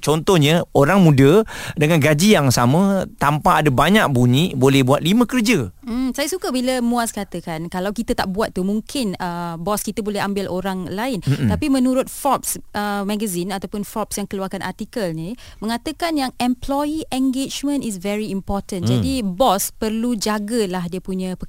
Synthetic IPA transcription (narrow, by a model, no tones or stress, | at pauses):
t͡ʃɔnt̪ɔhɲə̃oɾaŋmũdədəŋãnɡad͡ʒijaŋsamə̃t̪ampaːdabaɲak̚buɲĩbolɛhbuat̪̚limə̃kərd͡ʒəsajəsukəbiləmuaskat̪əkankalawkit̪ət̪a̰ʔbuat̪̚ːumuŋkʰɪnəbɔskit̪əbolɛɦambɪlʔoɾaŋlaɪntt̪apimə̃nuɾʊt̪̚fɔp̚sʔəmɛ̃ɡəzinat̪awpʊnfɔp̚sjaŋkəluarkanʔa̰rt̪ikəlnimə̃ŋat̪əkanjaŋɛmplɔjiʔɛŋɡet͡ʃmə̃nis̬vɛɹiːmpɔrt̪ənd͡ʒadibɔspərlud͡ʒaɡəlahdiəpuɲə̃pə